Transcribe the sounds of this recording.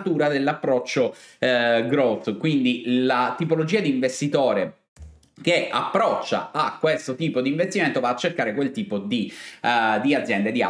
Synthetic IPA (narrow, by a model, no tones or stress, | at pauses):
t̪uːɾad̪elːapːɾɔt͡ʃːo | ɡɾot̪kwind̪ilat̪ipolod͡ʒiːad̪iːɱvest̪it̪oːɾe | k̟ea̰pːɾɔt͡ʃːa̰akːwest̪ot̪iːpod̪iːɱvest̪iment̪ovaːt͡ʃːerkaːɾekwelt̪iːpod̪i | d̪iad̪zːjɛnd̪ed̪ia̰